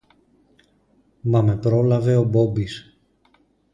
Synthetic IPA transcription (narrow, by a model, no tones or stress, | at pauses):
mɐme̞pɾo̞lɐve̞o̞bo̞bis